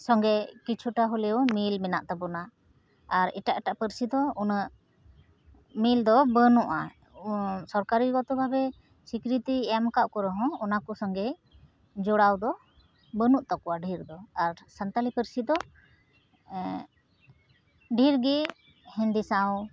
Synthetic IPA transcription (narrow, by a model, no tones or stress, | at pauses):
sɔŋɡɛkit͡ʃʰuʈaɦulɛwmilmɛnaʔt̪ɔbɔna | aɾɛ̰ʈaʔʈaʔpəɾsid̪ɔunəʔ | mild̪ɔbənuʔa̰ | sɔɾkaɾiɡɔt̪ɔbʱabɛ | sikɾit̪iɛmkaʔkɔɾɔɦɔ̃ɔnakɔsɔŋɡɛ | d͡ʒɔɽawd̪ɔ | bənuʔt̪ɔkɔwaɖʱiɾd̪ɔaɾsant̪alipəɾsid̪ɔ | ɖʱiɾɡi | hɛ̃nd̪isaw